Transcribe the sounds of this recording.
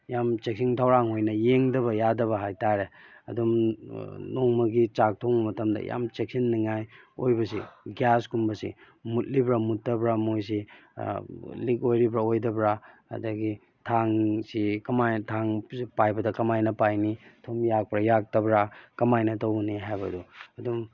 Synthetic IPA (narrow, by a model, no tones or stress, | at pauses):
jamt͡ʃek̚siŋtʰɐwɾaŋɦojnɐjeŋdɐbɐjadɐβɐɦajtaɾeɐ̰dum | noŋmɐɡit͡ʃak̚tʰoŋbɐmɐtɐmdɐ̰ja̰mt͡ʃek̚sinːiŋajojbɐsiɡjaskumbɐsḭ | mut̚libɾamutːɐbɾamojs̬i | likojɾibɾaojdɐbɾaɐ̰dɐɡi | tʰaŋsikɐmajtʰaŋipajbɐdɐkɐmajnɐpajnitʰomjak̚pɾɐjak̚tɐbɾakɐmajnɐtɐwniɦajbɐduɐdum